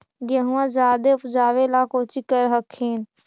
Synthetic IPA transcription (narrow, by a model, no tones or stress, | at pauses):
ɡeɦũãd͡ʒaːd̪eʊpd͡ʒaːʋelakoːt͡ʃikəɾɦəkʰːeːn